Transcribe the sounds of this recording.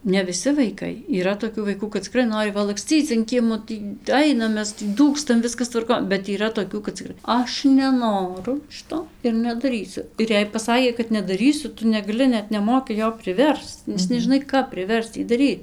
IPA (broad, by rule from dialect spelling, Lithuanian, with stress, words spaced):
nʲɛ ʋʲɪˈsʲɪ ʋɐɪˈkɐɪ iːˈrɐ toːˈkʲuː ʋɐɪˈkuː kɐt t͡sʲɪˈkrɐɪ ˈnoːrʲɪ ʋɐ lˠɐkˈsʲt͡sʲiːt͡s ɐn ˈkʲiɛmoː ˈtʲiː ˈɐɪnɐm ˈmʲɛs tʲiː ˈduːkstɐm ˈʋʲɪskɐs tʋɐrˈkoːn bʲɛt iːˈrɐ toːˈkʲuː kɐt t͡sʲɪˈkrɐɪ ˈɐʃ nʲɛˈnoːrʊ ˈʃʲɪtoː ɪr nʲɛdɐˈrʲiːsʲʊ ɪr ˈjɛɪ pɐˈsɑːkʲeː kɐt nʲɛdɐˈrʲiːsʲʊ ˈtʊ nʲɛɡɐˈlʲɪ ˈnʲɛt nʲɛˈmoːkʲɪ ˈjoː pʲrʲɪˈʋʲɛrst͡s nʲɛs nʲɛʒʲɪˈnɐɪ ˈkɐp pʲrʲɪˈʋʲɛrst͡s ˈjiː dɐˈrʲiːt